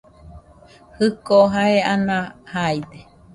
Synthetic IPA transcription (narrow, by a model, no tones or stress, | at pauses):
hɨkoɦaeanãhajd̪e